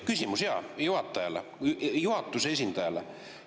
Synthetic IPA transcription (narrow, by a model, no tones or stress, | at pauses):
kysʲimusjɑ̰juhɑt̪ːɑjɑlḛjuhɑt̪ːusesʲind̪ɑjɑle